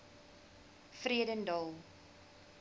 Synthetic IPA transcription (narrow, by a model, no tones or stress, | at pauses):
friədəndɑlˠ